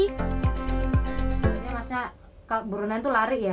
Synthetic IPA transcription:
ɲamasɲa | kaloʔbuɾunant̪ulaɾɪʔja

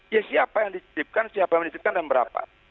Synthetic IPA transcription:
jasiapajaŋditip̚kansiapajaŋmdit͡ʃip̚kandanbəɾa̰pa̰

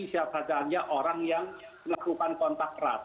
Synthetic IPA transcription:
isapʰɾad͡ʒaːnjaʔɔɾaŋjaŋ | nakʰɾupankɔnt̪ak̚ːɾa̰ːt̪̚

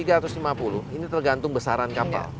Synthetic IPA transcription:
iɡaɾat̪ʊslimapulʊhinit̪ərɡant̪ʊŋbəsaɾankapka̰l

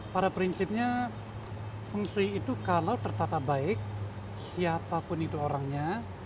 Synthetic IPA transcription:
paɾapɾinsɪp̚ɲa | fuŋsuiːt̪ukalawt̪ərt̪at̪abaɪk̚ | siapapʊnit̪uoɾaŋɲa

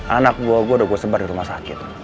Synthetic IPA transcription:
anak̚buoɡodoɡʷosəbadiɾumasakit̪

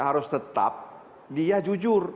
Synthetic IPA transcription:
ɦaɾʊst̪ət̪a̰p̚ | diad͡ʒud͡ʒʊr

